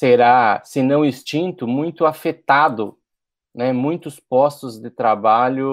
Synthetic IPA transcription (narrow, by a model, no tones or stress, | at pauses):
seɾasɪnɐ̃w̃ist͡ʃĩnt̪ʊmũj̃t̪ʊafet̪ad̪ʊ | nɛmũj̃t̪ʊspɔst̪ʊzd̪ɪt̪ɾabaʎʊ